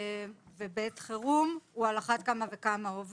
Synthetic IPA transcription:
vebet̪χeʁumualaχat̪̚kamavekamaov

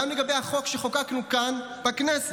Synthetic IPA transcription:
amleɡabejhaχo̞kʃeχokaknukan | b̥aknɛse

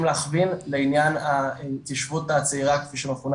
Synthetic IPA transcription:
mleːχvinleinjanat̪iʃvut̪at͡seiʁakfiʃemeχun

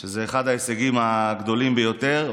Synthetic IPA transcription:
ʃezeːχad̪aeseɡimaɡd̪o̞limbejo̞t̪e̞ʁ

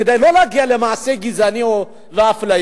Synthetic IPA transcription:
id̪ajlolaɡialemaːseɡizanio | ɾafla

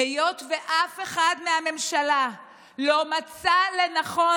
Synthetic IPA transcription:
ejo̞tveʔafe̞χadmeame̞mʃala | lo̞mat͡sale̞naχo̞

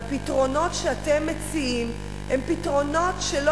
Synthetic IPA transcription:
pitʁo̞no̞tʃeatemːet͡siim | hempitʁo̞no̞tʃelo

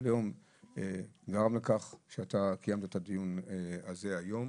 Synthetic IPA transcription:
lejo̞m | eɡaʁamlekaχʃeat̪akajamt̪aet̪ad̪ijunaze̞ajo̞m

